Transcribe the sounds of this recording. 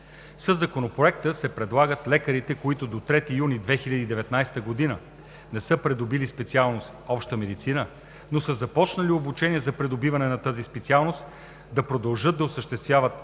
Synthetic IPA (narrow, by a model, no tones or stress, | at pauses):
səzːɐkonopɾoɛk̚t̪əsɛpɾɛd̪lˠaɡət̪lɛkəɾit̪ɛkoit̪ʊd̪ot̪ɾɛt̪ijunid̪vɛxilʲəd̪iːd̪ɛvɛt̪najst̪əɡod̪inə | nɛsɤpɾɛd̪obilispɛt̪sialˠnost̪ɔpʃt̪əmɛd̪it̪sinə | nosəzɐpɔt͡ʃnəliobut͡ʃɛniɛzɐpɾɛd̪obivɐnɛnɐt̪azispɛt̪sialˠnost̪ | d̪ɐpɾod̪ɐlˠʒɤd̪ːɐosəʃt̪ɛst̪vʲjavət̪